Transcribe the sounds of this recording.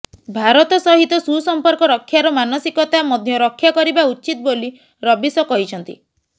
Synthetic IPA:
bʱaɾɔt̪ɔsɔɦit̪ɔsusɔmpɔɾkɔɾɔkʰːjaɾɔmanɔsikɔt̪amɔd̪ʱjɔɾɔkʰːjakɔɾibautːt͡ʃit̪ɔboli | ɾɔbisɔkɔɦit͡ʃʰɔnt̪ḭ

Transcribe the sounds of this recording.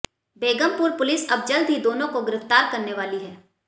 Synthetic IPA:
beːɡəmpʊɾpʊlɪsɐbd͡ʒɐld̪ʱɦid̪oːnõkoɡɪɾɪft̪aːɾkɐɾneʋaːliɦɛː

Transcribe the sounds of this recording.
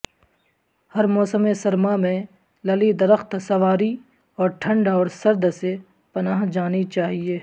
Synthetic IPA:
hɐɾmɔːsəmesɐɾmamẽ | lɐlid̪ɐɾəxt̪sɐʋaːɾi | ɔːɾʈʰɐ̃ɳɖaɔːɾsɐɾd̪se | pɐnaːɦd͡ʒaːnit͡ʃaːɦieː

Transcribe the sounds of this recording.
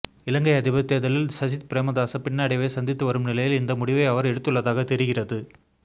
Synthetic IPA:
ɪlɐŋɡɐɪɐðɪbɐt̪ːejɐðɐlɪlsɐd͡ʒɪt̪pɾeːmɐðaːsɐpɪɳːɐɐɽɪʋɐɪsɐnd̪ɪt̪ːɯʋɐɾɯmnɪlɐjɪlɪnd̪ɐmʊɽɪʋɐɪɐʋɐɾɛɽɯt̪ːɯɭːɐðaːɣɐt̪ɛɾɪɣɪrɐðɯ

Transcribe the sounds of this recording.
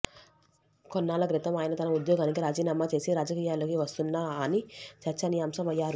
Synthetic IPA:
kɔnːaːlɐkɾit̪ɐmaːjɐnɐt̪ɐnɐud̪jɔːɡaːnikiɾaːd͡ʒiːnɐmːat͡ʃe̞ːsiɾaːd͡ʒɐkiːjaːlokiʋɐst̪unːaːɐnit͡ʃɐɾt͡ʃːɐnijaːmsɐmɐjːaːɾu

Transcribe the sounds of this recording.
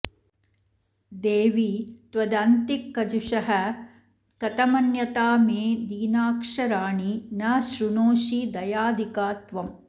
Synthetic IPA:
d̪eːʋit̪ʋɐd̪ɐnt̪ikːɐd͡ʒuʂɐɦɐ | kɐt̪ɐmɐnjɐt̪aːmeːd̪iːnaːkʂɐɾaːɳinɐʃɾuɳoːʃid̪ɐjaːd̪ʱikaːt̪ʋɐm

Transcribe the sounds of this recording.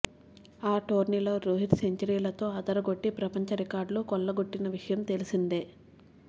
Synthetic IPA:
aːʈoːɾniloːɾoːɦiʈ̪seɲt͡ʃɐɾiːlɐt̪o̞ːɐd̪ɐɾɐɡo̞ʈːipɾɐpɐɲt͡ʃɐɾikaːɾɖloːkɔɭːɐɡoʈːinɐʋiʂɐjɐmt̪e̞lisind̪eː

